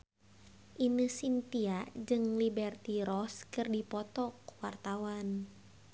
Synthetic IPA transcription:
ʔinɨsint̪iad͡ʒɨŋlibɛrt̪iɾɔskɨrdipɔt̪ɔkwart̪awan

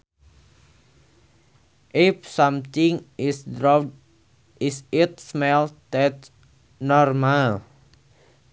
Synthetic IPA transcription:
ʔep̚samt̪iŋsdɾɔ | ɪsɪt̪smɛld̪ɛt̪ | nɔrmal

